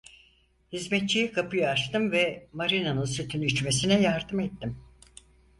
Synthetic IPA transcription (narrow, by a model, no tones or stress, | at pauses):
hizmɛt̪̚t͡ʃijikʰapɯjaaʃt̪ɯmvɛmaɾinanɯnsyt̪ʰynyt͡ʃme̞sinɛjaɾd̪ɯmet̪ːim